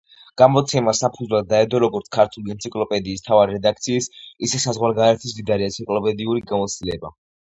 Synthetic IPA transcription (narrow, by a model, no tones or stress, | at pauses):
ɡ̥amɔt̪sʰɛmasapʰud̪zwlˠad̪̚ːaɛd̪ɔɾɔɡɔɾt̪skʰaɾt̪ʰuliɛnt̪sʰikʼlˠɔpʼɛd̪iːst̪ʰavaɾiɾɛd̪akʰt̪sʰiːsisɛsazʁwaɾɡaɾɛt̪ʰisd̪id̪aɾiɛnsʰikʼlˠɔpʼɛd̪iuɾiɡamɔt̪st̪ilɛba